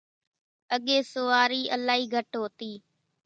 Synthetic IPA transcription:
əɠeːsoːaːɾiːʔəlaːiːɡʱəʈɦoːt̪iː

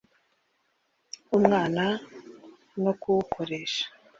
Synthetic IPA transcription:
umŋaːna | nokuwkʰo̞ɾe̞ːʃḁ

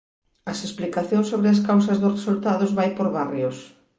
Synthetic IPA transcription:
ɐsesplikaθjõŋsoβɾɪɐskawsɐzðʊsresult̪aðʊzβajpoɾβarjos

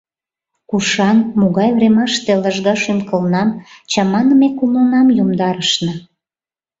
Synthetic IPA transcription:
kuʃɑnmoɣɑjvremɑʃt̪eləʒɣɑʃynkəlnɑmt͡ɕɑmɑnəmekumənɑmjumd̪ɑɾəʃnə̆

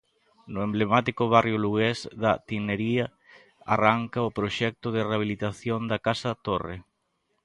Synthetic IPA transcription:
nʊemblemat̪ikʊβ̞arjoluɣezðɐt̪ineɾiɐ | a̰raŋkaʊpɾoʃɛk̚t̪ʊð̞ɪreaβ̞ilit̪aθjond̪akasat̪orḛ

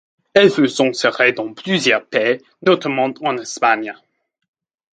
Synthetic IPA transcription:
ɛlfəsɔ̃sɛʁed̪ɑ̃pʰlyzjœʁpɛ | not̪ʰamɑ̃t̪ɑ̃nɛspaɲ

